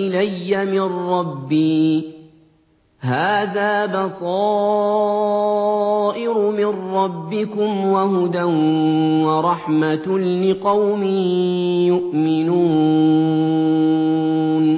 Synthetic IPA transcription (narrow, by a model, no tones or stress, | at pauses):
ɪlajːamɪnːɑbːiː | ɦaːðaːbɑsˤɑː | ʔɪɾʊmɪnːɑbːɪkʊmwaɦʊd̪anwɑɾˤɑħmalɪqɑwmɪjʊʔmɪnuː | n